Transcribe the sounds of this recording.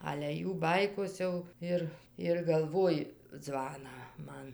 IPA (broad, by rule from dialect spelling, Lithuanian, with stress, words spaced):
ɐlʲɛ ˈjuː ˈbɐɪkoːs jɛʊ ˈɪr ɪr ɡɐlˠˈʋoːjɪ ˈd͡zʋɑːnɑː ˈmɐn